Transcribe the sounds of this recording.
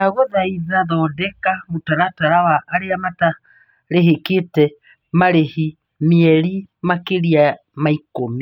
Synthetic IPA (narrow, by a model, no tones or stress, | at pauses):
aɣɔðaiðaðɔdɛkamotaɾataɾawaʔːɾeamata | ɾeɦeketɛ | maɾehi | miɛɾimakeɾia | maikomi